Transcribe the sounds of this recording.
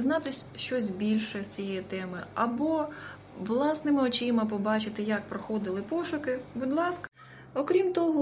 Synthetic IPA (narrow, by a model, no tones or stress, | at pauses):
znɑt̪ɪʃt͡ʃɔsʲbʲilʲʃɛt͡sʲijɛjt̪ɛmɪɐbɔ | ʋlˠɑsnɪmɪɔt͡ʃɪmɐp̬ɔbɑt͡ʃɪt̪ɪjɐk̚pɾɔxɔd̪ɪlˠɪpɔʃʊkɪbud̪lˠɑskɐ | ɔkɾʲimt̪ɔɦɔ